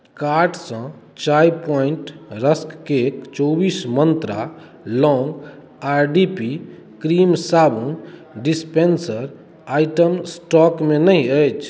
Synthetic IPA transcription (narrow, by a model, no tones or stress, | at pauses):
kaɾɖsə̃ | t͡ʃajpɔiɳʈɾəskkekt͡ʃɔbismənt̪ɾa̰ | lɔ̃ŋɡ | aɾɖipi | kɾimsabũnɖispensəɾ | ajʈəmsʈɔkmenəiəjt͡ʃʰ